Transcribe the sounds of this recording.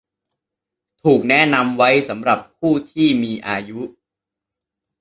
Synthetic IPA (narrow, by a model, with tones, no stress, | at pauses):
t̪ʰuː˨˩k̚nɛ˦˥na˧mwa˦˥jsa˩˦mɾa˨˩ppʰːuː˥˩t̪ʰiː˥˩miː˧ʔaː˧ju˦˥